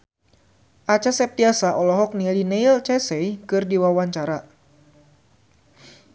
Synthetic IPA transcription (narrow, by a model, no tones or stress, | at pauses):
ʔat͡ʃasɛp̚t̪iasaʔɔlɔɦɔk̚nilineilt͡ʃɛsɛjkɨrdiwawaɲt͡ʃaɾa